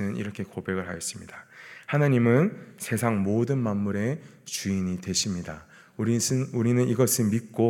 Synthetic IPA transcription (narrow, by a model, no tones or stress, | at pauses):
ɯnɯnḭɾʌkʰe̞kobe̞ɡɯɭɦa̰jʌs͈ɯmɲid̥ahanaɲimɯnsʰe̞sʰaŋmodɯnmanmːuɾe̞ | t͡ɕuiɲitwe̞ɕʰimɲida | uɾinuɾinɯniɡʌsʰɯnmit̚k͈o